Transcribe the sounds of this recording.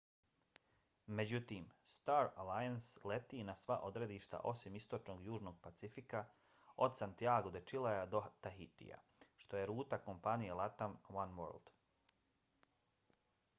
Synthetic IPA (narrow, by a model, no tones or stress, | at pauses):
me̞d͡ʑut̪iːmst̪aːɾalajanslet̪iːnasʋaʔo̞d̪ɾe̞d̪iːʃt̪a̰ʔo̞simist̪o̞t͡ʃno̞ɡjuːʒno̞ɡ̚pat̪sifika | o̞d̪sant̪iaːɡod̪et͡ʃilˠajad̪o̞t̪aɦit̪ḭja̰ʃt̪o̞je̞ɾuːt̪ako̞mpanijelˠat̪amwanwø̰ɾld̪̥